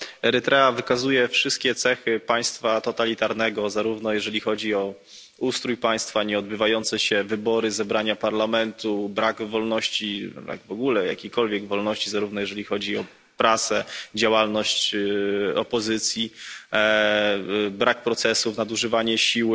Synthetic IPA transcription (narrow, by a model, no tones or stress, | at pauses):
ɛɾɘt̪ɾɛavɘkazujɛfʂɘst̪̚kʲɛt̪sɛxɘpaj̃st̪fat̪ɔt̪alʲit̪aɾnɛɡɔzaɾuvnɔjɛʐɛlʲixɔd͡ʑiɔ | ust̪ɾujpaj̃st̪faɲɛɔd̪̚bɘvajɔnt̪sɛɕɛvɘbɔɾɘzɛbɾaɲapaɾlamɛnt̪ubɾaɡvɔlnɔɕt͡ɕibɾa̰ɡvɔɡulɛja̰kʲejkɔlvʲjɛɡvɔlnɔɕt͡ɕizaɾuvnɔjɛʐɛlʲixɔd͡ʑiɔ | pɾat̪sɛd͡ʑawalnɔɕt͡ɕ | ɔpɔzɘt̪sʲji | bɾak̚pɾɔt̪sɛsufnad̪uʐɘvaɲɛɕiw